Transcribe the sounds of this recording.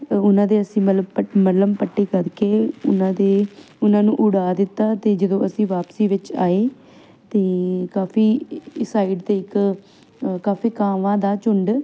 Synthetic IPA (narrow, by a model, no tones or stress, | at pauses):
ʊnãːd̪eːəsĩːmələbpəmələmpəʈːiːkəɾkeːʊ̰nãːd̪eː | ʊnãːnũːʔʊɽaːd̪ɪt̪ːaːt̪eːd͡ʒəd̪õːʔəsĩːʋaːpsiːʋɪt͡ʃa̰ːeː | t̪eːkaːfiːsaːɪɖt̪eːɪk | kaːfiːkaːʋãːd̪aːt͡ʃʊɳɖ